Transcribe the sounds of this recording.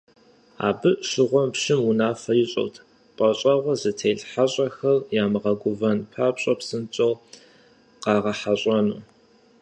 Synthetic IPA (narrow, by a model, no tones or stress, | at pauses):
a̰ːbɨʔʃɨʁʷɔmpʃɪmwʊnaːfɐjɪɕʼɐ̰wtʰ | qʼɐɕʼɐʁʷɔzɨtʰeːjɮħaɕʼɐxɐrjaːmɨʁɐɡʷʊvɐnpʰaːpɕʼɐpsɨnt͡ʃʼɐw | qɑːʁɐħaɕʼɐnṵː